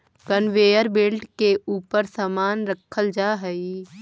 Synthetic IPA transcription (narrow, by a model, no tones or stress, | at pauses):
ɡənʋeːjəɾbelʈkeʔuːpəɾsamaːnɾəkʰːəld͡ʒaːɦɛi